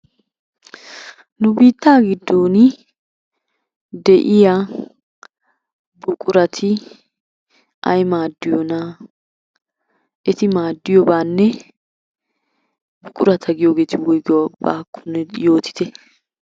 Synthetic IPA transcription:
nʊbiːt̪ːaːɡɪd̪ːoːn | d̪ɛʔɪja | bʊkʼʊɾɐt̪ʰɪ | ʔɐjmaːd̪ːɪjɔna | ʔɛt̪ɪmaːd̪ːɪjɔbaːnːɛ | bʊkʼʊɾɐt̪ʰɐɡɪjoːɡe̞ːt̪ɪwɔjɡɪwaba̰ːkːʊ̥nɛjo̞ːt̪ɪ̥t̪ɛ

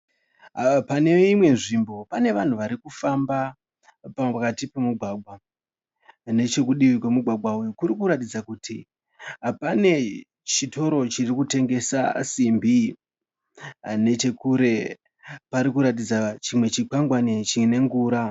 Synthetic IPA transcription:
pane̞imwe̞nʐimbo̞pane̞ʋan̤uʋaɾikufamba | pakatipe̞muɡʱwaɡʱwa | ne̞t͡ʃe̞kuɗiʋikwemuɡʱwaɡʱwaujokuɾikuɾatid͡zakutʰi | pane̞ | t͡ʃito̞ɾo̞t͡ʃirikute̞ŋɡe̞sa̰simbi | ne̞t͡ʃe̞kuɾe̞ | paɾikuɾat̬id͡zat͡ʃimwe̞t͡ʃik͡paŋɡwanet͡ʃine̞ŋɡuːɾa

